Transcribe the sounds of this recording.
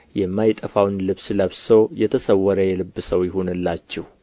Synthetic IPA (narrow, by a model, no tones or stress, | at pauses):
jɛmːajt̪ʼəfawnlɨβsləβsəwjɛt̪ʰəsəwːəɾəjɛlɨbːɨsəwjɪɦonɨlːat͡ʃːɛh